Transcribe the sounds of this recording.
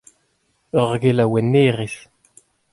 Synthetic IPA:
ɔʁɡelawɛnːeʁis

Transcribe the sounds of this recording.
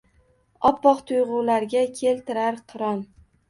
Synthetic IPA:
ɒpːɒqt̪ʰʊjʁʊlaɾɡʲakʲʰe̞lt̪ʰɪɾaɾqʰɨɾɒn

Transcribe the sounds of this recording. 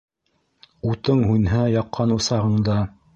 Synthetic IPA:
ut̪ɤɴɦunɦæjɑqːɑnusɑʁɤ̆ɴd̪ɑ

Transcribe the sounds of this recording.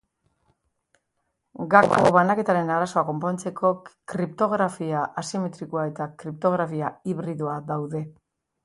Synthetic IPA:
ɡakoβanake̞t̪aɾe̞naɾaso̞ako̞mpo̞nt͡se̞kʰo̞kɾipt̪o̞ɣ̞ɾafiaʔasime̞t̪ɾikoae̞t̪akɾip̚t̪o̞ɣɾafiaiβɾiðuaðawðe̞

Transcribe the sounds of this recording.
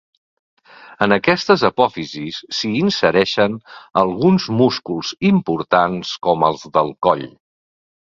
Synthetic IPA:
ənəkɛst̪əzəpɔfizisːiːnsəɾɛʃənəlˠɣunzmuskulˠz̥impuɾt̪anskɔməlˠzðəlˠkɔʎ

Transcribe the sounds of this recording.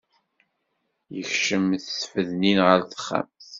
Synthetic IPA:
jəçʃəmθsfəðninʁəɾθə̥χːa̰mθ

